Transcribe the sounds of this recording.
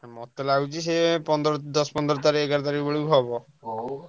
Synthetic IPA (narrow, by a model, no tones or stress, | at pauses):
mɔt̪ːelaud͡ʑiʃepɔnd̪ɾɔd̪ɔspɔnd̪ɾɔt̪aɾiekaɾt̪aɾiboɭiɦɔbɔ